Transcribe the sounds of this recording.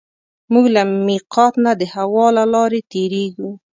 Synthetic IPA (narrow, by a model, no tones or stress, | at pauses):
muɡlamiqɑt̪nad̪əhawɑlalɑɾet̪eɾeɡu